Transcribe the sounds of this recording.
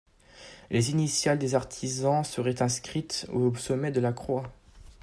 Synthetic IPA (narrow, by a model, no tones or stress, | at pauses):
lezinisjald̪ezaʁt̪ʰizɑ̃səʁɛt̪ɛ̃skχit̪osɔmɛd̪əlakχwa